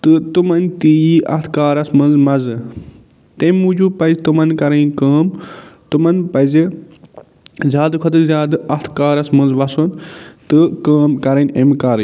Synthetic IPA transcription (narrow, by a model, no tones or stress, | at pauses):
t̪ɨt̪umɐnʲt̪iːjiʔɐ̰t̪ʰkaːɾɐsmɐnzmɐzɨ | t̪emuːd͡ʒuːpɐzt̪umɐnkɐɾɐkaːmt̪umɐnpɐzi | zʲjaːd̪kʰɐt̪ɨzjaːd̪ɨɐt̪ʰkaːɾɐsmɐnzʋɐsunt̪ɨkaːmkɐɾɐnʲemkaːɾ